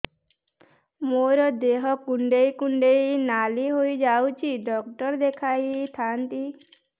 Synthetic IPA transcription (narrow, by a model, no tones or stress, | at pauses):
moɾɔd̪eɦɔkuɳɖeikuɳɖeinaliɦoid͡ʒawt͡ʃʰiɖɔk̚ʈɔɾd̪ekʰajt̪ʰant̪i